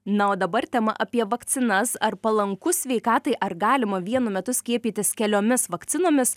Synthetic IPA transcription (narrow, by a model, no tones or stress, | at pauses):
nɐoːd̪ɐbɐɾt̪ʲɛmɐ̰ʔɐpʲiɛʋɐkt̪sʲɪnɐsɐrpɐlˠɐŋkʊsʲʋʲɛɪkɑːt̪ɐɪʔɐrɡɑːlʲɪmɐʋʲiɛnʊmʲɛt̪ʊsʲkʲiɛpʲiːt̪ʲɪskʲɛlʲoːmʲɪsʋɐkt̪sʲɪnoːmʲɪs